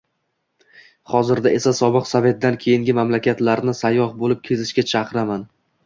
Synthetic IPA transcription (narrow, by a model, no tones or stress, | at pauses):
χɒzɪɾd̪aʔe̞sasɒbɨqsave̞t̪̚d̪ankʲʰe̞jɪŋɡʲɪmamlakʲat̪laɾnɪsajːɒhbolɪp̚kʲʰe̞zɪʃkʲat͡ʃʰɑqɨɾaman